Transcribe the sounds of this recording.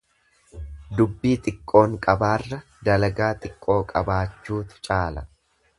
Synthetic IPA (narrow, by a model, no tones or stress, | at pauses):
d̪ʊbːiːt̪ʼɪkʼːo̞ːŋkʼɐbaːrːɐ | d̪ɐlɐɡaːt̪ʼɪkʼːo̞ːkʼɐbaːt͡ʃːuːt̪ɪ̥t͡ʃʼaːlɐ